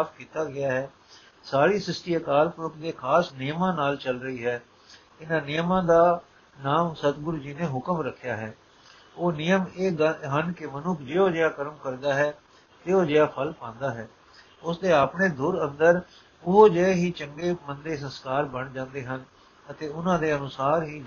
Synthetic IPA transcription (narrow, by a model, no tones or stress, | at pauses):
aːpʰkiːt̪aːɡɪaːɦɛː | saːɾiːsɪsʈiːəkaːɾpʊɾʊkd̪eːkʰaːsnɪjmãːnaːlt͡ʃəlɾəiːɦɛː | ɪnãːnɪjmãːd̪aː | naːmsət̪ɡʊɾuːd͡ʒiːnẽːɦʊkəmɾəkʰːɪjaːɦɛː | oːnɪjəmeːɡɦənkɪmənʊkʰd͡ʒeːoːd͡ʒeːaːkəɾəmkəɾd̪aːɦɛː | t̪eːoːd͡ʒeːaːpʰəlpãːnd̪aːɦɛː | ʊsd̪eːaːpɳeːd̪ʊɾə̃nd̪əɾ | ʊɦoːd͡ʒeɦiːt͡ʃəŋɡeːmənd̪eːsə̃nskaːɾbəɳd͡ʒãːnd̪eːɦən | ət̪eːʊnãːd̪eːənʊsaːɾɦiː